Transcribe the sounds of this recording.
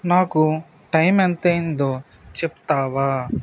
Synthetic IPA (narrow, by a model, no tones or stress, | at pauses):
naːku | ʈɐjmɐnt̪eːind̪oː | t͡ʃeput̪aːʋaː